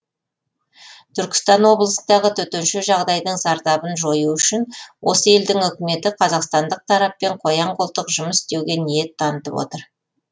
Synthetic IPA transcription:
t̪ʰʏɾkʲɪ̥st̪ɑnwo̞blˠəsənd̪ɑʁət̪ʰɵt̪enʃɪʒɑʁd̪ɑjd̪əɴzɑɾt̪ɑbənʒo̞juʏʃɪnwʔo̞̰səe̞ld̪ɪŋʏkʲɪme̞t̪ɪqʰɑzɑqst̪ɑnd̪əq̚t̪ʰɑɾɑpːe̞ɴqʰo̞jɑɴqolˠt̪əqʒʊməsɪst̪e̞wɡʲe̞nije̞t̪ʰːɑnət̪əpwo̞̰t̪əɾ

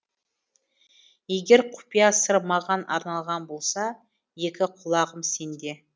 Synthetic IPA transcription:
je̞ɡʲe̞ɾqʰʊ̥pijɑsəɾmɑʁɑnʔɑ̰ɾnɑlˠʁɑnbo̞lˠsɑ | je̞kʲɪqʰʊlˠɑʁəmse̞nd̪e̞

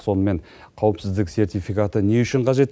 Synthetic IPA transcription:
so̞nəme̞ɴ | qʰɑwəpsɪzd̪ɪkse̞rt̪ijfikat̪əne̞ʏʃɪɴqʰɑʒe̞t̪ː

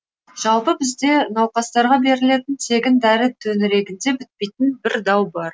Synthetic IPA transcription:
ʒ̥ɑlˠpəbɪzd̪e̞nɑwqɑst̪ɑɾʁɑbe̞ɾɪle̞t̪ɪnt̪ʰe̞ɡʲɪnd̪æɾɪt̪ʰɵnɪɾe̞ɡʲɪnd̪e̞bʏt̪̚pe̞jt̪ɪnbɪɾd̪ɑwbɑɾ

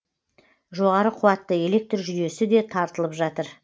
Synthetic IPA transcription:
ʒo̞ʁɑɾəqʰʊwɑt̪ːəe̞le̞k̚t̪rʒʏje̞sɪd̪e̞t̪ʰɑɾt̪əlˠəpʒɑt̪əɾ

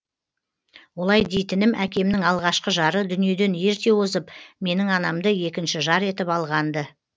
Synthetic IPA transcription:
wo̞lˠɑjd̪e̞jt̪ɪnɪmʔækʲe̞mnɪŋɑlˠʁɑʃqəʒɑɾəd̪ʏnije̞d̪e̞nje̞ɾt̪e̞wozəpme̞nɪŋɑnɑmd̪əje̞kʲɪnʃɪʒɑɾe̞t̪ɪpɑlˠʁɑnd̪ə

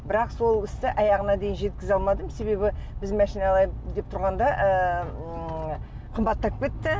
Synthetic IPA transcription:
bɪɾɑqso̞lˠɪst̪ɪʔɑjɑʁənɑd̪e̞jɪnʒe̞t̪kʲɪzɑlˠmɑd̪əmse̞be̞bɪbɪzmæʃinɑlˠɑjd̪e̞p̚t̪ʰʊɾʁɑnd̪ɑʔə | qʰəmbɑt̪ːɑp̚kʲe̞t̪ːɪ

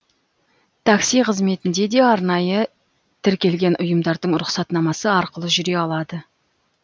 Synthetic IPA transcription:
t̪ʰɑksijqʰəzme̞t̪ɪnd̪e̞d̪e̞ɑɾnɑjə | t̪ʰɪɾkʲe̞lɡʲe̞nʔʊjəmd̪ɑɾd̪əɴɾʊqsɑt̪nɑmɑsəɑɾqəlˠəʒʏɾe̞ɑlˠɑd̪ə

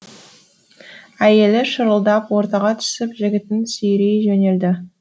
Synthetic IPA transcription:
æje̞lɪʃəɾəlˠd̪ɑpwo̞ɾt̪ɑʁɑt̪ʰʏ̥sɪpʒɪɡʲɪt̪ɪnsʏjɾijʒɵne̞ld̪ɪ

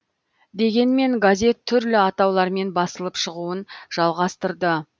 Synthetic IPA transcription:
d̪e̞ɡʲe̞nme̞ŋɡazʲe̞t̪ʰːʏɾlɪɑt̪ɑwlˠɑɾme̞nbɑsəlˠəpʃəʁuənʒ̥ɑlˠʁɑst̪əɾd̪ə

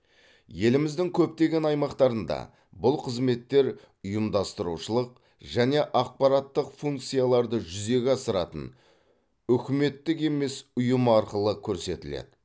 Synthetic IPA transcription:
je̞lɪmɪzd̪ɪŋkʲʰɵp̚t̪e̞ɡʲe̞nɑjmɑqt̪ɑɾənd̪ɑ̰ | bʊlˠqʰəzme̞t̪ːe̞ɾ | ʊjəmd̪ɑst̪əɾuʃəlˠəq̚ | ʒæne̞ʔɑq̚pɑɾɑt̪ːəqfuŋk̚t̪sɨjalˠɑɾd̪əʒʏze̞ɡʲɑsəɾɑt̪ə̰n | ʏkʲɪme̞t̪ːɪke̞me̞sʊjəmɑɾqəlˠəkʲʰɵɾse̞t̪ɪlḛd̪̥ɪ

